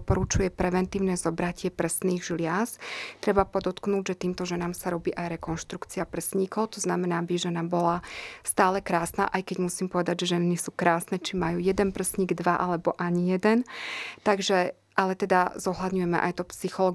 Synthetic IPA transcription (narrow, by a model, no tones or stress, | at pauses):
pɔɾut͡ʃujɛpɾɛʋɛnt̪iːʊnɛzɔbɾacɪɛpr̩sniːɣʒlɪast̪ɾɛbapɔd̪ɔt̪knuːɟʒɛt̪iːmt̪ɔʒɛnaːmsaɾɔbiːʔajɾɛkɔnʃt̪ɾukt͡siapr̩sɲikɔʊt̪ɔznamɛnaːbiʒɛnabɔlast̪aːlɛkɾaːsna̰ːʔajkɛɟmusiːmpɔʋɛd̪aɟʒɛʒɛnisuːkɾaːsnɛt͡ʃimajuːjɛd̪ɛnpr̩sɲiːɡd̪ʋaʔalɛbɔʔaɲijɛd̪ɛnt̪aɡʒɛ | ʔalɛt̪ɛd̪azɔɦlad̪ɲujɛmɛ̰ʔajt̪ɔpsixɔlɔːɡ